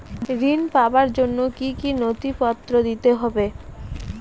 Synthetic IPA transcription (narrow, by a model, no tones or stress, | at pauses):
ɾinpabaɾd͡ʑonːokikinot̪ipɔt̪ːɾod̪it̪eɦɔbe